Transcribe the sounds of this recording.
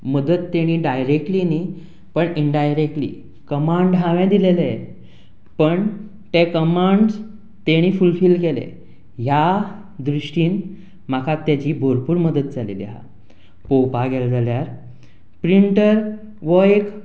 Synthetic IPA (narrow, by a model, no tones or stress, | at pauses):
məd̪ət̪ːeɽ̃iːɖajɾek̚ʈliːni | pəɳiɳɖajɾek̚ʈlḭː | kəmaɳɖɦãʋɛ̃d̪ilele | pəɳ | t̪ekəmaɳɖs | t̪eɽ̃iːfulfiːlkelḛ | ɦja | d̪ɾuʂʈiːn | m̤akʰat̪ːjat͡ɕiːbʱoɾpuːɾməd̪ət̪̚d͡zʱalḭliɦa̰ | popaɡeld͡zaljaɾ | pɾiɳʈəɾ | ʋəek